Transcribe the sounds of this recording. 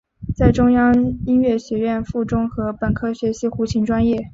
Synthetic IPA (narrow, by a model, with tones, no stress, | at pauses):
t͡sa˥˩ɪʈ͡ʂʊ˥ŋjɑ˥ŋi˥nɥɛ˥˩ɕɥɛ˧˥ɥɛ˥˧nfu˥˩ʈ͡ʂʊ˥ŋxɤ˧˥pə˨˩nkʰɤ˥ɕɥɛ˧˥ɕi˧˥xu˧˥t͡ɕʰi˧˥ŋʈ͡ʂwa˥njɛ˥˩